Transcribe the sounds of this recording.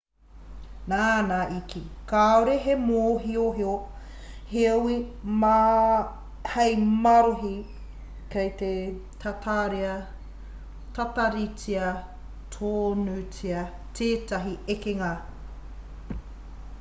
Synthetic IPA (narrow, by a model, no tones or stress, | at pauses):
naːnaʔikikaːoɾeɦemoːɦioɦeo | heowi | hejmɐɾoɦi | kejt̪e | tʰɐtʰaɾiɐ | tɐtɐɾit͡siɐ | tʰoːnut͡siɐ | tʰeːtɐɦiekeŋɐ